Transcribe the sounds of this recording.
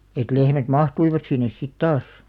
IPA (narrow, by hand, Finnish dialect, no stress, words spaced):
et lehmæt mɑhtuiʋɑt sinːes sit tɑːs